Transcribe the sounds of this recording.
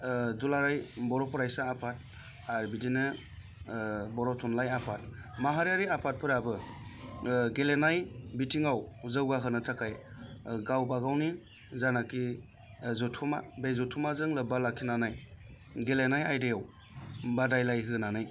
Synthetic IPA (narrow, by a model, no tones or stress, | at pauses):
zulaɾajbɔɾɔpʰɔɾajsaːpʰat̚ | aɾbidinɯ | bɔɾɔtʰɔnlajapʰat̚maɦaɾjaɾiapʰat̚pʰɯɾabɯ | ɡelenajbitʰiŋawzɯwɡaɦɯnɯtʰakʰajɡawbaɡawni | zanaki | zɔtʰuma̰bezɔtʰumazɯŋlɯbalakʰːinanaj | ɡelenajajdajaw | badajlajɦɯnanaj